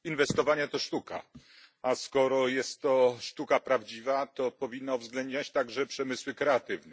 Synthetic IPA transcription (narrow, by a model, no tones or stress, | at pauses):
invɛst̪ɔvaɲɛt̪ɔʂt̪uka̰ | askɔɾɔjɛst̪ːɔʂt̪ukapɾavd͡ʑivat̪ɔpɔvʲinːauvzɡlɛnd̪̚ɲat͡ɕt̪aɡʐɛpʂɛmɘswɘkɾɛat̪ɘvnɛ